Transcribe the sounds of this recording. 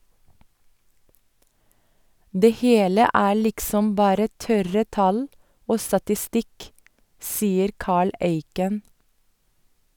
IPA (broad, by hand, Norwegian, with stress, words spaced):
ˈdeː ˈheːlə ˈæː ˈlɪksɔm ˈbɑːɾə ˈtœɾə ˈtɑl ˈoː stɑtɪˈstɪk ˈsiːəɾ ˈkɑːɭ ˈeɪkən